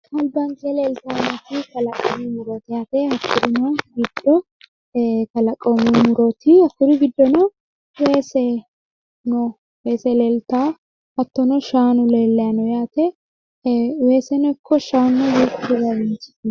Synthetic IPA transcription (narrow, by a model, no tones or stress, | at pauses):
hɐlbɐŋkɛlelt̪aːnɐt̪ɪk̪ɐlɐkʼːɔ̰mɪmʊɾɔt̪ɪjaːt̪ɛhɐkʰːʊɾɪnɔɡɪd̪ːɔ | k̪ɐlɐkʼːɔmɪmʊɾɔt̪ɪɐkːʊɾɪɡɪd̪ːɔnɐ | weːsɛ | nɔ | weːsɛleːlt̪aː | hɐt̪ːɔnɔʃaːnʊleːlːɛjanɔjaːt̪ɛ | weːsɛnɔkʰːɔʃaːnːɔwiːkːʊɾɪzawɪnt͡ʃɪ̥